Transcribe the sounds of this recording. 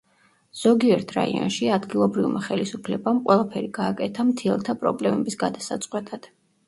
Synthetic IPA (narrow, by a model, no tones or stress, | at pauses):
z̥ɔɡiɛɾt̪ʰɾa̰ḭɔ̰nʃiad̪ɡilˠɔbɾivmaχɛlisupʰlɛbamqʼwɛlˠapʰɛɾiɡ̥aːkʼɛt̪ʰamt̪ʰiɛlˠt̪ʰapʼɾɔ̰blɛmɛbisɡad̪asat̪sʼqʼwɛt̪ʼad̪̥